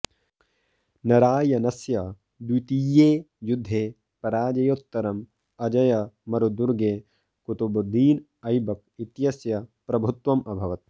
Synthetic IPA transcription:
nɐɾaːjɐnɐsjɐ | d̪wit̪iːjeː | jud̪ʱːeː | pɐɾaːd͡ʒɐjot̪ːɐɾɐm | ɐd͡ʒɐjɐmɐɾud̪uɾɡeː | kut̪ubɐd̪iːn | ɐjbɐk̚it̪jɐsjɐpɾɐbʱut̪ʋɐmʔɐbʱɐʋɐt̪̚

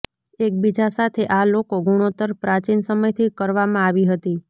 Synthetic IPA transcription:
ek̚bid͡ʒasat̪ʰeʔalokoɡʱuɽ̃ot̪əɾpɾat͡ʃinsəməjt̪ʰikəɾʋamãaʋiɦət̪i

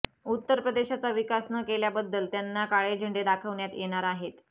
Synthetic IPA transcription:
ut̪ːəɾpɾəd̪eɕat͡saʋikasnəkeljabəd̪ːəlt̪janːakaɭed͡ʑʱəɳɖed̪akʰəʋɳjat̪jeɽ̃aɾaɦet̪

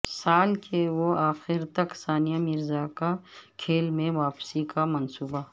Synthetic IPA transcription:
saːlkʰewoaːxɪɾt̪ɐksaːnijamɪɾzakakʰeːlmẽʋaːpsikamɐnsuːba

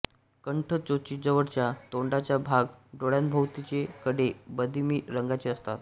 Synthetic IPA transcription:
kəɳʈʰət͡sot͡ɕid͡zəʋəɽt͡ɕjat̪oɳɖat͡ɕjabʱaɡɖoɭjanbʱəʋt̪it͡ɕekəɽebəd̪ʱimiːɾəŋɡat͡ɕeəst̪at̪

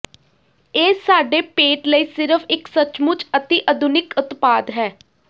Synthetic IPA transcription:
eːsaːɖeːpeːʈləiːsɪɾəfʰɪksət͡ʃmʊt͡ʃət̪iʔəd̪ʱʊnɪkʊt̪paːd̪ɦɛː

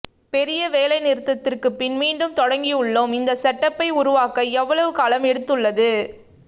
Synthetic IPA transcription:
pɛɾɪjɐʋeːlɐɪnɪɾɯt̪ːɐt̪ːɪrkɯpːɪnmiːɳɖɯmt̪ɔɽɐŋɡiɯɭːomɪnd̪ɐsɐʈːɐpːɐɪʊɾʊʋaːkɐɛʋːɐɭɐʋɯkaːlɐmɛɽɯt̪ːɯɭːɐðɯ

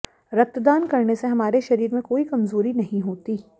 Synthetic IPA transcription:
ɾɐt̪d̪aːnkɐɾneseɦɐmaːɾeʃɐɾiːɾmẽkoːikɐmzoːɾinɐɦĩɦoːt̪iː

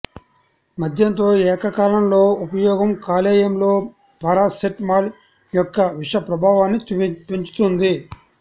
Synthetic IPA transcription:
mɐd̪ʱjɐnt̪o̞ːɛːkɐkaːlɐmlo̞ːupɐjɔːɡɐmkaːlɛːjɐmlo̞ː | pɐɾaːseʈmaːl | jɔkːɐʋiʂɐpɾɐbʱaːʋaːnːipiɲt͡ʃu̥t̪und̪i

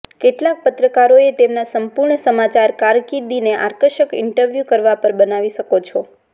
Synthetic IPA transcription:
keʈlak̚pət̪ɾəkaɾoet̪emnasəmpuɾɳəsəmat͡ʃaɾkaɾkiɾd̪ineʔa̰ɾkəʃəkɪ̰ɳʈəɾʋjukəɾʋapəɾbənaʋiʃəkot͡ʃʰɔ

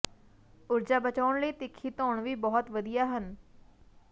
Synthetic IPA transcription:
ʊɾd͡ʒaːbət͡ʃaːʊɳləiːt̪ɪkʰːiːt̪ɔːɳʋiːbɔːt̪ʋəd̪ijaːɦən

